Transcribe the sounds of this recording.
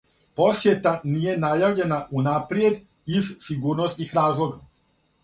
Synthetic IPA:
po̞sjet̪aniːje̞najaʋʎe̞naʔunapɾjed̪ | izsiɡuːɾnost̪nixɾaːzlˠoɡa

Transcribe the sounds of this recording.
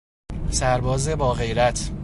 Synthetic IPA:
sæɾbɒːze̞bɒːɣe̞jɾæt̪ʰ

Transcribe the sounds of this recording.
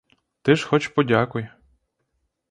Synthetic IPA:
t̪ɪʃxɔt͡ʃpɔdʲakʊj

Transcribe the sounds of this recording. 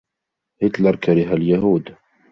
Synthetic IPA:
hit̪lɑɾˤkaɾiɦæljæɦuːd̪

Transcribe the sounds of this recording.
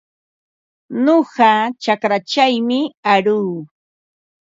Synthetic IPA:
noɢɑt͡ʃakɾat͡ʃajmɪaɾuː

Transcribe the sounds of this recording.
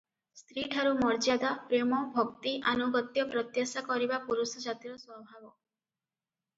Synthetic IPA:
st̪ɾiʈʰaɾumɔɾd͡ʒad̪apɾemɔbʱɔkt̪iʔanuɡɔt̪jɔpɾɔt̪jasakɔɾibapuɾusɔd͡ʒat̪iɾɔswɔbʱabɔ

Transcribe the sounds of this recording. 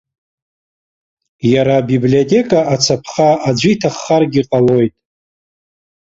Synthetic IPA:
jaɾabiblio̞tʲʼe̞kʼaat͡sʰapʰχaad͡ʒʷitʰaχːarɡʲiqʼalo̞jtʼ

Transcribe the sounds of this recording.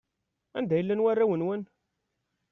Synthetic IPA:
æ̰nd̪æjəlːænwærːæwənwən

